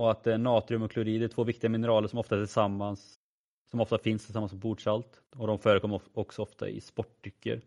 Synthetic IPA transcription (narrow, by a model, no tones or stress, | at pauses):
ɔat̪̚d̪ɛæɳɑːt̪ɾɪɵmɔkʰlʉɾiːd̪ɛæʈʰv̥oːvɪkt̪ɪɡamɪnəɾɑːləɾʂɔmɔft̪aæt̪ʰɪlsamːans | sɔmɔft̪afɪnst̪ʰɪsamːansɔmbuːɖʂalt̪ | ɔd̪ɔmfœːɾəkʰɔmːɔksɔɔft̪a̰ɪ̰spɔʈːʏkːə̰ɾ